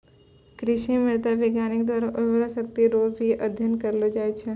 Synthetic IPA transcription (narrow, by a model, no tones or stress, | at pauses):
kɾɪʃimɪɭt̪aʋɪɡjanɪk̚d̪ʋaɾaʔʊʋɾasəkt̪iɾobʱiʔəd̪ʱjənkəɾlod͡ʒajt͡ʃʰe